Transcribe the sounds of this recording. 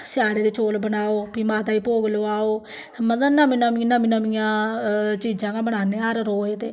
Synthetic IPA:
sɪaːɽeːd̪eːt͡ʃoːlbəɳaːoːpiːmaːt̪aːiːpoːɡloːaːoː | mət̪lənãːmɪnaːminãːmɪnamijãːt͡ʃiːd͡ʒãːɡãːbəɳaːneːəɾɾoːeːt̪eː

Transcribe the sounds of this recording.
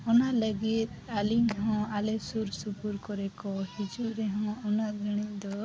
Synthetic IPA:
ɔnaləɡit̪̚ | aliŋɦɔ̃alɛsuɾsupuɾkɔɾɛkɔhid͡ʒuɾɛɦɔ̃ɔnaɡʱɾəɽ̃iɲd̪ɔ

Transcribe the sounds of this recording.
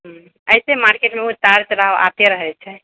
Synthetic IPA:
ɦ | əjsemaɾkeʈmeut̪aɾt͡ʃɾaɦʋa̰t̪eɾəɦɛt͡ʃʰɛ

